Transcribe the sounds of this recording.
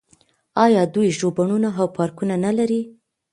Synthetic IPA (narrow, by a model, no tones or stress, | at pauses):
ɑjɑd̪ujʒobaɳunaɦawpɑɾkunanalaɾi